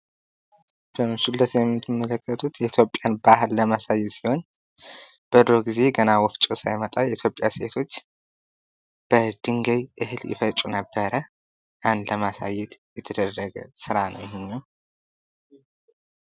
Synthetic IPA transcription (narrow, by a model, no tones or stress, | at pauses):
b̥əmʃulːət̪jɛmːɨt̪ʰːɨmːələkːət̪ʰut̪jɛit̪ʰjo̞pʼːjanbaɦɨlːəmasajɛt̪siho̞n | b̥əd̪ɾoɡize̞ɡənawɔft͡ʃʼusa̰jmət̪ʼajɛit̪ʰjo̞pʼːjaset̪ʰo̞t͡ʃː | b̥əd̪̥ɨŋɡəjʔɨhɨljɪ̰fət͡ʃʼunəbːəɾə | ʔand̪ləmasa̰jːɛt̪jɛt̪ʰəd̪ərːəɡə̰sɨɾanə̰wjɪhɪɲːaw